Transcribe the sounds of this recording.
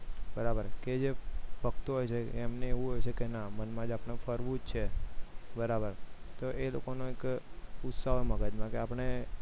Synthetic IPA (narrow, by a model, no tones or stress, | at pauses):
bəɾabəɾked͡ʒefəkt̪oɦojt͡ʃʰeːmneeʋũɦojt͡ʃʰekenamənmãd͡ʒapɽ̃efəɾʋũd͡ʒt͡ʃʰebəɾabəɾt̪oʔelo̰konõekʊt̪saɦoməɡəd͡ʒmãkeapɽ̃e